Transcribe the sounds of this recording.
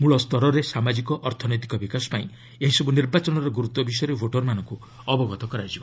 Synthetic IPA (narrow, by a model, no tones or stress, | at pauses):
muɭɔst̪ɔɾɔɾesamad͡ʒikɔʔːɾt̪ʰɔnɔjt̪ikɔbikasɔ̥paĩ | eɦisɔbuniɾbat͡ʃɔnɔɾɔɡuɾut̪ɔbisɔjɔɾebʱoʈɔɾmanɔŋku | ɔbɔɡɔt̪ɔkɔɾad͡ʒibɔ